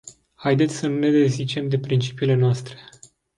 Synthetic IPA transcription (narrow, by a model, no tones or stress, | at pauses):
hajd̪e̞t̪sʲsənune̞d̪e̞zit͡ʃe̞md̪e̞pɾint͡ʃi̥piːle̞noast̪ɾe̞̥